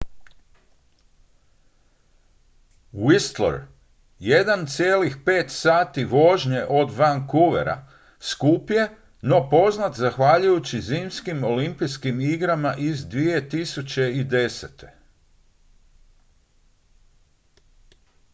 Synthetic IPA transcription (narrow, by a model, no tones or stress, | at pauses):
wist̪lḛɾ | je̞d̪ant̪sijeːlixpe̞ːt̪saːt̪iʋo̞ʒɲe̞ʔo̞d̪ʋaŋkuʋḛɾa̰ | skuːpje̞ | no̞po̞znat̪zaxʋaʎujut͡ɕiziːmskimo̞limpijskimiɡɾamaʔizd̪ʋie̞t̪isut͡ɕe̞id̪e̞set̪e̞̥